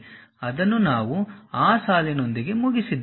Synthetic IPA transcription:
ɐd̪ɐnːunaːʋuaːsaːlino̞nd̪iɡe̞muɡisid̪ː

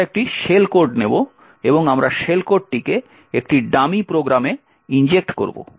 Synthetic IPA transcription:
ek̚ʈiʃelkoɾɖnebo | eboŋamɾaʃelkoɾɖ̚ʈike | ekʈiɖamipɾoɡɾame | ind͡ʑek̚ʈko̰ɾbo̰

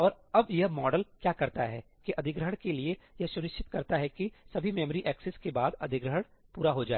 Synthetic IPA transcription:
ɔːɾ | ɐbjɐɦmɔːɖəlkjaːkɐɾt̪aɦɛː | kiʔɐd̪ʱɪɡɾəəɽkeliejɐsʊnɪʃt͡ʃɪt̪kɐɾt̪aɦɛkisɐbʱimeːməɾiʔɛːksɪskebaːd̪ɐ̰d̪ʱɪɡɾəɦəɽpuːɾaɦod͡ʒaːe

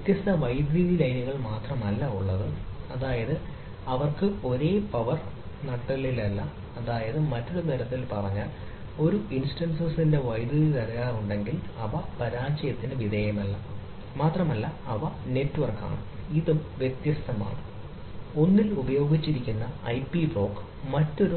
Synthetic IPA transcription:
ʋjt̪jɐst̪ɐʋɐjd̪ɾiðilɐjnuɣɐɭmaːt̪rɐmnɐlːɐuɭːɐðɨɐðaːjɐðɨ | ɐʋɐrkɨo̞ɾe̞ːpɐʋɐr | nɐʈːɐlilɐlːɐ | ɐðaːjɐðɨmɐtːɐðeniɾɐt̪ːilpɐrɐɲːaːl | o̞ɾuinsʈɐnsɐsindeʋɐjd̪jɐðilɐrijaːruɳɖe̞ŋɡilɐʋɐpɐɾaːt͡ɕɐjɐt̪ːinɨʋid̪ɐjɐmɐlːɐ | maːt̪rɐmɐlːɐɐʋɐne̞tːuʋɐrka̰ːɳɨ̰iðumʋjet̪jɐst̪ɐma̰ːɳɨ | o̞nːilubɐjo̞ːɡit͡ɕːiɾikʲːunːɐɐjpibro̞ːkː | mɐtːo̞ɾu

